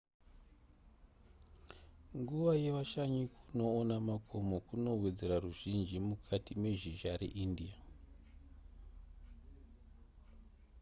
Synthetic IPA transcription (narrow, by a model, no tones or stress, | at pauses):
ŋɡuʋaje̞ʋaʃaɲikuno̞ːnamakʰomokuno̞we̞d͡ze̞ɾaruʒind͡ʒimukʰatime̞ʒiʒaɾe̞̰ʔindia